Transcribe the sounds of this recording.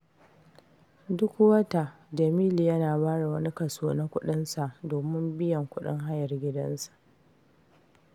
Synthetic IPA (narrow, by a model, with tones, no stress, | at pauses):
dʊ˦kwɐ˦ta˨ | dɐ˨miː˦li˨jɐ˦naː˨baː˦ɽa˨wɐ˦ni˦kɐ˨soː˦na˦kʷʊ˦ɗɪ˦nsa˨ʔdoː˨mɪ˦mbɪ˦jɐ˨ŋkʷʊ˦ɗɪ̰˦ŋɦa˦jɐ˨rɡʲɪ˦dɐ̰˦nsḁ˨ʔ